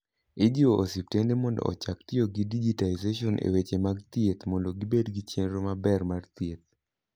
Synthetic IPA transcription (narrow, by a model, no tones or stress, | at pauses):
ɪd͡ʒioʔosip̚tendemɔndɔ̰ɔ̰t͡ʃaktɪoɡidid͡ʒitaizeʃɔnʔḛwet͡ʃemaɡt̪jet̪mɔndoɡibedɡit͡ʃjenɾomabɛrmart̪jet̪̚